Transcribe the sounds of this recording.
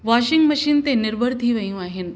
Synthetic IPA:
ʋaɕiŋɡməɕiːnt̪enɪɾbʱəɾd̪ʱiːʋəjũaɦin

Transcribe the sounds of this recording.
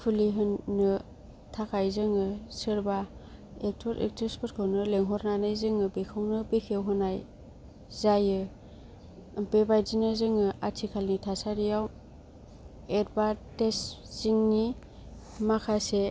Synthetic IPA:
pʰuliɦɯnːɯ | tʰakʰajzɯŋɯsɯɾbaek̚tʰɔɾḛk̚tɾespʰɔt̚kʰɯwnɯleŋɦɔɾnanɯjzɯŋɯbekʰɯwnɯbekʰewɦɯnaj | zajɯ | pebajzinazɯŋɯatʰikʰalnitʰasaɾijaw | eɾbatesz̥iŋni | makʰase

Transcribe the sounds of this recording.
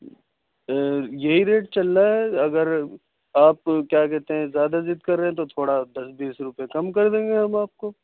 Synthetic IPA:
jɐɦiɾeːʈ̚t͡ʃɐlːaɦɛɐɡəɾ | aːpkjaːkɛɦt̪eɦɛ̃zjaːd̪azɪd̪kɐɾːeɦɛ̃t̪ot̪ʰoːɽad̪ɐsbiːsɾʊpekɐmkɐɾd̪ẽːŋɡeɦɐmaːp̚ko

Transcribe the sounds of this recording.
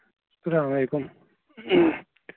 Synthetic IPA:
sɐɾaːmmɐlekum

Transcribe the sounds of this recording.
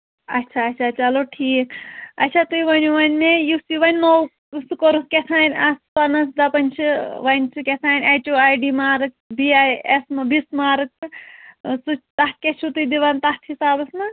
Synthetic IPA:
ɐtːt͡ʃʰaɐtt͡ʃʰat͡ʃɐloʈʰiːkɐtʲːt͡ʃʰat̪ujʋɐnʲuʋɐnʲmejusiʋɐnʲnow | sukoɾuskʲet̪ʰaːnʲɐspɐnɐs̬d̪ɐpɐnʲt͡ʃʰɨʋɐnʲt͡ʃʰɨkʲet̪ʰaːnʲɐjt͡ʃʲuajɖimaːɾɨkbiajesmɐbismaːɾɨk̚ | sut͡ʃt̪ɐt̪̚kʲet͡ʃʰut̪ujd̪iʋant̪ɐt̪ʰhisaːbɐsmɐ

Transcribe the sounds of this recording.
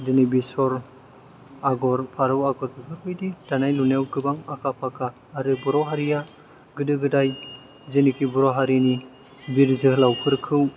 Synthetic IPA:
denibisɔɾ | aɡɔɾpʰaɾɯwaɡɔɾkɯɡɯɾɔjdid̥anajlunewɡɯbaŋakʰapʰakʰaː | ɾɯbɔɾɔwɦaɾija | ɡɯdɯɡɯdaj | zenikʰibɔɾɔɦaɾini | biɾzɯhlawkʰɯɾkʰɯw

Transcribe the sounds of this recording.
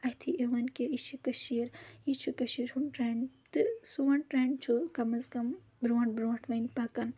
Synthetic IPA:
ɐht̪ʰieʋɐnkeit͡ʃʰikɐʃiːɾit͡ʃʰukɐʃiːɾhunʈɾeːɳɖt̪ɨsuʋɐɳʈɾeːɳɖt͡ʃʰukɐmɐskɐm | bɾuːɐɳʈbɾoɐɳʈʰʋɐnpaːkɐn

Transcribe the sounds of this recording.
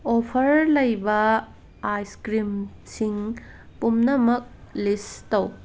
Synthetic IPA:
opʰɐɾlɐjbɐ | ajskɾimsiŋ | pumnɐmɐk̚listɐw

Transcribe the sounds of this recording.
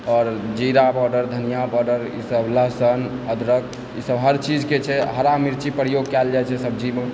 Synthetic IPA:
ɔɾd͡ʒiɾabɔɖəɾd̪ʱənijabɔɖəɾḭsəbləɦsənəd̪ʱɾək̚ | isəbɦəɾt͡ʃid͡ʒket͡ʃʰɛɦəɾamiɾt͡ʃipɾəjoɡ̚kɛld͡ʒaɛt͡ʃʰɛsəb̚ʱd͡ʒibə

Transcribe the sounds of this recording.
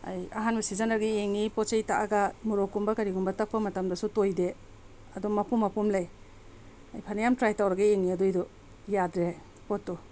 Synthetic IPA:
a̰jɐ̰ɦanbɐsizɐnɐɾɡieŋnipɔt͡ʃejtaʔaɡɐmuɾokumbɐkɐɾiɡumbɐtɐk̚pːɐmɐtɐmdɐsutojde | ɐdumɐpumːɐpumlaj | ajpʰɐnajamtɾajtawɾɐɡaeŋniɐdujdɔ | jadɾe | potːu

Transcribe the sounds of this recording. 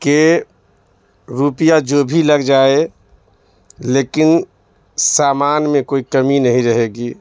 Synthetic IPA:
ke | ɾupijad͡ʒobʱiləɡd͡ʒaːe | lekin | saːmaːnmẽkoːikəminəɦĩɾəɦeɡi

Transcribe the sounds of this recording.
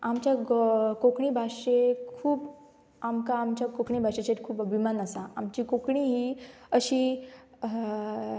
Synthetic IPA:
amt͡ɕjakokɳibʱaɕekkʰuːb | amkaːmt͡ɕjakokɳibʱaɕet͡ɕat̪kʰuːpəbʱimanəsaamt͡ɕikokɳiɦiːəɕiː

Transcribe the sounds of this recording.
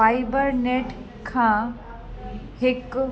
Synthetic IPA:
aːɪbəɾneːʈ | kʰãː | hɪk

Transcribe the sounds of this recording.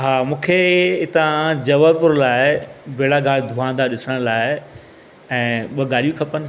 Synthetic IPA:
ɦaːmũːkʰeɪt̪ãd͡ʑɐʋəɾpʊɾlaːɪɪbeːɽaɡaːɭid̪ʱuãːnd̪aɗɪsəɽ̃laːɪ | ɛ̃ːɓɐɡaːɾijũkʰɐpənɪ̆

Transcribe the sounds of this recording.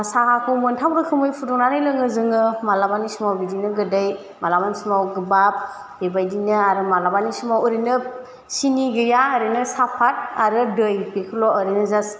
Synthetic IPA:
sakakʰɯmɯntʰawɾɯkʰɯmɯjpʰudɔŋnaɾɯjlɯŋɯzɯŋɯmalabanisumawbidinɯɡɯdɯj | malabansumawɡɯbap̚ | b̥ebajdinɯaɾɯmalabanisumawɯɾinɯ | siniɡɯjaːɾɯnɯsapʰat̚aɾɯdɯjpekʰɯlɔɔɾinɯzas

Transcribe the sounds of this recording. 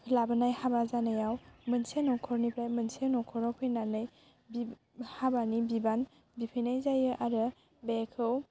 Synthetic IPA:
labanajhabazanajawmɯnsenɔkʰɔɾnipʰɾajmɯnsenɔkʰɔɾawpʰɯjnanɯj | bi | habanibiban | bipʰɯjnajzajɯʔaɾɯ | bekʰɯw

